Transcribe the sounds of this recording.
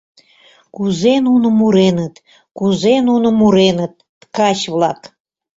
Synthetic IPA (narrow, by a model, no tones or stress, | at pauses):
kuzenunomuɾenət̪ | kuzenunomuɾenət̪̚ | kɑt͡ɕβlɑk